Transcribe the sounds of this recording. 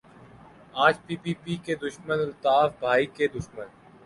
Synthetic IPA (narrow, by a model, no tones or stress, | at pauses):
aːd͡ʒpiːpiːpiːked̪ʊʃmənʊlt̪aːfbʱaːiked̪ʊʃmən